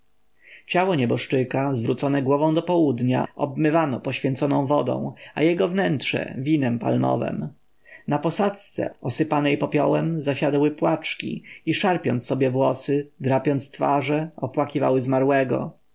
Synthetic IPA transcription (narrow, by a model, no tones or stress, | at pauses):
t͡ɕawɔɲɛbɔʂʈɘkazvɾut̪sɔnɛɡwɔvɔ̃w̃d̪ɔpɔwud̪ɲa̰ʔɔbmɘvanɔpɔɕfʲjɛnt̪sɔnɔ̃w̃vɔd̪ɔ̰̃w̃ajɛɡɔvnɛntʂɛ̰vʲinɛmpa̰lmɔ̰vɛ̰m | napɔsat̪st̪sɛ̰ɔsɘpanɛjpɔpʲjɔwɛmzaɕad̪wɘpwat͡ʂkʲḭiʂaɾpʲjɔnt̪ssːɔbjɛvwɔsɘd̪ɾapʲjɔnt̪st̪faʐɛɔpwakʲiva̰wɘzmaɾwɛɡɔ̰